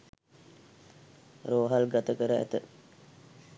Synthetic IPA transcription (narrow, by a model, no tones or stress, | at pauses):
ɾoːɦalɡat̪əkəɾəæ̰t̪ə